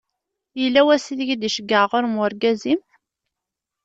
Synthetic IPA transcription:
jəlːæwæsiðəʝd̪iʃəɡːəʁoɾmʊɾɡæzim

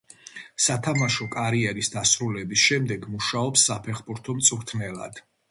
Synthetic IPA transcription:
sat̪ʰamaʃɔkʼaɾiɛɾisd̪asɾulɛbisʃɛmd̪ɛɡmuʃaɔpsːapʰɛχbuɾt̪ʰɔmt̪sʼuɾt̪ʰnɛlˠa̰d̪̥

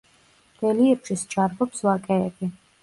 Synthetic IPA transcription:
d̪̥ɛliɛɾʃist͡ʃʰaɾbɔpslakʼɛːbi

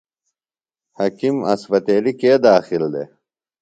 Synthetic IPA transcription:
hɐkimɐ̰sbɐt̪eːlikeːd̪aːxild̪ḛ

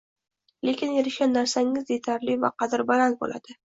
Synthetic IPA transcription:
le̞kʲɪnjeɾɪʃɡʲanːaɾsaŋɪzd̪et̪ʰaɾlɪvaqɑd̪ɪɾbalanbo̰lʔa̰d̪̥ɪ

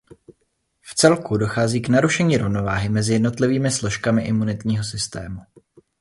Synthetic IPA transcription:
ft͡sɛlkudo̞xaːziːknaɾuʃɛɲiːɾo̞vno̞vaːɦɪmɛzɪjɛdno̞t̪lɪviːmɪslo̞ʃkamɪʔɪmunɪt̪ɲiːɦo̞sɪst̪ɛ̰ːmu

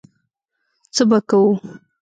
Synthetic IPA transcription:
t͡səbakawu

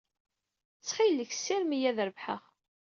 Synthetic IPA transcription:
t͡sːχilːəç̥sɪɾmijæðɾəvħə̰ʁ

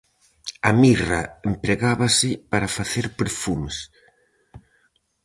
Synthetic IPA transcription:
amiraempɾeɣaβasɪpaɾafaθeɾpeɾfumes

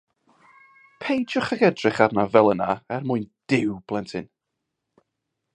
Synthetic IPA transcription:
pʰejd͡ʒɔχəɡɛdrɪχarnavɛlˠənaɛrmʊɨnd̥ɪwb̥lˠɛntʰɪn

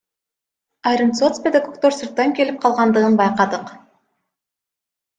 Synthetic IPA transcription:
ɑjɾint̪sot̪spʲed̪ekokt̪oɾsuɾt̪ːɑŋke̞lip̚qʰɑlˠʁɑnd̪ɯʁɯnbɑjqɑd̪ɯq

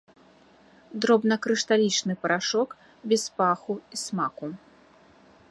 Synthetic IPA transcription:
d̪ɾɔbnɐkɾɨʂt̪alʲit͡ʂnɨpɐɾaʂɔk | bʲɛspaxuismaku

